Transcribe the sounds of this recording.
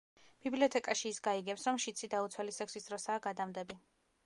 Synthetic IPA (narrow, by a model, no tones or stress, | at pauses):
b̥ibliɔt̪ʰɛkʼaʃiːsɡaiɡɛpsɾɔmʃit̪sʰid̪aut̪sʰwɛlisɛksisd̪ɾɔsaːɡad̪amd̪ɛbi